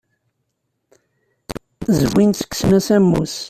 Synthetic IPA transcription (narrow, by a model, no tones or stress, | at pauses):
zwinsə̥ksnæsæmːṵs